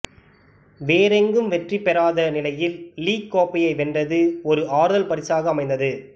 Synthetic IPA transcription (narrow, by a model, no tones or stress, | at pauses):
ʋeːɾɛŋɡɯmʋɛʈripɛɾaːðɐnɪlɐjɪlliːkːoːpɪjɐɪʋɛndrɐðɯɔɾɯʔaːɾɯðɐlpɐɾɪsaːɣɐːmɐɪnd̪ɐðɯ